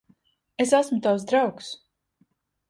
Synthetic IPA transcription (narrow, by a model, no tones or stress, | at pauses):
es̬asmʊt̪aws̬d̪ɾawks